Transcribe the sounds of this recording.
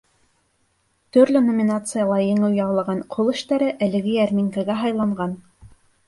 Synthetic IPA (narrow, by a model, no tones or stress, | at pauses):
t̪ɵɾlɵnomʲinat̪sɨjɑlˠɑjɘ̆ŋɘwjɑwlˠɑʁɑnqʰolˠɘ̆ʃt̪æɾɘʔælɘ̆ɡɘjæɾmʲiŋkæɡæɦɑjlˠɑɴɢɑn